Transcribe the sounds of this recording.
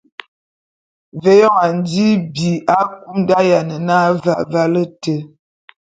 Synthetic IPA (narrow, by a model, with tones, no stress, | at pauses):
vɛ˨˦jɔ˦˨ŋa˨n˦di˦bi˨a˦ku˦mda˦ja˨nə˨na˦va˨va˦lə˦tə˨